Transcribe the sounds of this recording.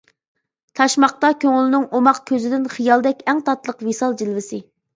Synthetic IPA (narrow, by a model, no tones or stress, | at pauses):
t̪ʰɑʃmɑχ̚t̪ɑkʲʰøŋlɪnɪŋomɑqkʲʰøzɪd̪ɪnχijɑlˠd̪ɛkʲɛŋt̪ʰɑt̪lˠəqvisɑlˠd͡ʒilvɪsɪ